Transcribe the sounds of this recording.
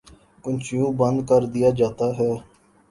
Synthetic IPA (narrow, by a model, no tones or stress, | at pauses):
kʊnt͡ʃɪjũːbənd̪̚kəɾd̪ɪjaːd͡ʒaːt̪aːɦɛː